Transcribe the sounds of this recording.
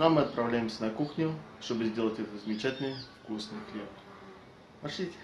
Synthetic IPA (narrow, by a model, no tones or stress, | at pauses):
namɨɐt̪̚pɾavlʲæjɪmsʲənɐkuxnʲʊʂt̪obɨzʲdʲelˠətʲɛt̪əzəmʲɪt͡ɕætʲɪlʲnɨjfkusnɨjklʲep | pɐʂʲitʲɪ̥